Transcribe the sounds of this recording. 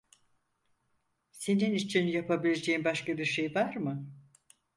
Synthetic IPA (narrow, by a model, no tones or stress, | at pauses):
se̞ninit͡ʃʰinjapʰabilʲe̞d͡ʒe̞imbaʃkabiɾʃe̞jvaɾmɯ